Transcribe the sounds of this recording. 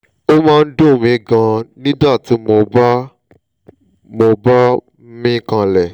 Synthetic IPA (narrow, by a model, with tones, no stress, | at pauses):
o˦mãː˦˧n̩˦dõ˦˨mĩ˧˦ɡã˧nĩ˦da˦˨tĩ˨˦mo˧ba˦ | mo˧ba˦ | mĩ˦kã˧lɛ˦˨